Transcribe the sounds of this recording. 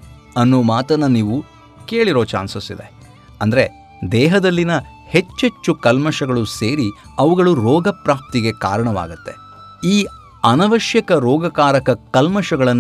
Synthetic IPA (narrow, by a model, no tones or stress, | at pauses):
ɐnːoːmaːt̪ɐnːɐniːʋu | ke̞ːɭiɾoːt͡ʃa̰ːnsɐsḭd̪e̞̰ | ɐnd̪ɐɾe̞ | d̪ɛːɦɐd̪ɐlːinɐ | he̞t͡ʃːe̞t͡ʃːukɐlmɐʃɐɡɐɭuseːɾiɐʋuɡɐɭuɾɔːɡɐpɾaːp̚t̪iɡe̞ka̰ːɾɐɳɐʋa̰ːɡɐt̪ːe̞ | iː | ɐnɐʋɐʃjɐkɐɾɔːɡɐkaːɾɐkɐkɐlmɐʃɐɡɐɭɐnː